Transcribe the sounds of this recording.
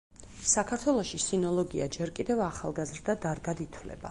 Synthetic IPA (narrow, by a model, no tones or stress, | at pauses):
sakʰaɾt̪ʰwɛlˠɔʃisinɔlˠɔɡiad͡ʒɛɾkʼid̪ɛvaχa̰lˠɡazɾd̪ad̪aɾɡad̪it̪ʰwlɛ̰ba̰